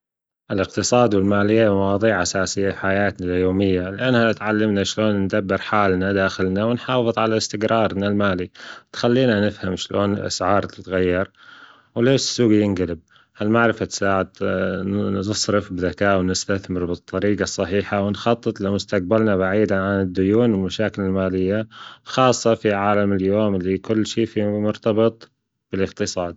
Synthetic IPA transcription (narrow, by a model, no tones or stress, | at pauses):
ʔɪlɪqt̪ɨsˤɑːd̪wɪlmaːlɪjːamawɑːðˤiːʕʔasaːsɪjːafħajaːt̪naljoːmɪjːalɪʔanhat̪ʕalːɪmnaʃloːnnd̪abːɪɾħaːlnad̪aːxɪlnawɪnħɑːfɨðˤʕalaɪst̪ɪɡɾɑːɾˤnalmaːlit̪xalːiːnanɪfhamʃloːnɪlʔa̰sʕɑːɾˤt̪ɪt̪ɣajːɑɾˤ | wleːʃsːuːɡjɪnɡalɪb̚ | halmaʕɾɪfat̪saːʕɪd̪ | ɨsˤɾɪfbɪðakaːʔwnɪst̪aθmɪɾbɨt̪ˤːɑɾiːqɑsˤːɑħiːħawɪnxɑt̪ˤːɨt̪ˤlɪmʊst̪aq̚balnabaʕiːd̪aʕanɪd̪ːʊjuːnɪlmaʃaːkɪlɪlmaːlɪjːaxɑːsˤːɑfiʕaːlamɪljoːmɪlːikʊlːʃiːfimʊɾt̪ɑbɨt̪ˤ | b̥ɪlɪqt̪ɨsˤɑːd̪̚